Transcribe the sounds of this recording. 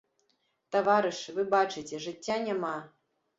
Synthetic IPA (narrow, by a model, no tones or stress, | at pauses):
t̪avaɾɨʂvɨbat͡ʂɨtʲɛʐɨt͡sʲːanʲama